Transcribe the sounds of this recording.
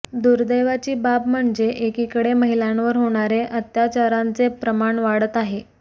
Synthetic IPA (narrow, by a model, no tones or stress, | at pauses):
d̪uɾd̪əjʋat͡ɕiːbapm̤əɳd͡zeʔekikəɽeməɦilanʋəɾɦoɽ̃aɾeʔət̪jat͡ɕaɾant͡sepɾəmaɳʋaɽət̪aɦe